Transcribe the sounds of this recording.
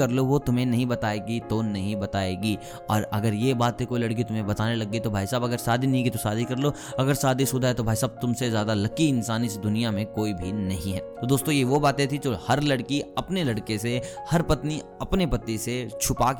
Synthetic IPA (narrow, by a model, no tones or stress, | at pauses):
ɐɾloʋot̪ʊmɦẽnɐɦĩbɐt̪aːeːɡit̪onɐɦĩbɐt̪aːeːɡi | ɔ̰ːɾɐɡəɾjebaːt̪ʰːekoːilɐɽk̬it̪ʊmɦẽbɐt̪aːnelɐɡːit̪obʱaːisaːbɐɡəɾsaːd̪ʱinɐɦĩkit̪osaːd̪ʱikɐɾloː | ɐɡəɾsaːd̪ʱisʊd̪ʱaɦɛt̪obʱaːjsaːb̚t̪ʊmsezjaːd̪alɐkiɪnsaːnɪsd̪ʊnijamẽkoːibʱinɐɦĩɦɛːt̪od̪oːst̪õjeʋobaːt̪ẽt̪ʰid͡ʒoːhɐɾlɐɽkiɐpnelɐɽkesehɐɾpɐt̪ni | ɐpnepɐt̪ːiset͡ʃʰʊpaːk